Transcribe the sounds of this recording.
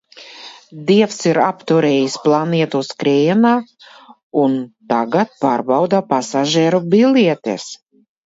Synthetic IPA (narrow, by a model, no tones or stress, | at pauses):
d̪iɛfsiɾapt̪uɾeːjisplˠaniɛt̪uskɾeːnaː | unt̪aɡat̪̚paːɾbawd̪apasaʒɛːɾubilʲiɛt̪ḛs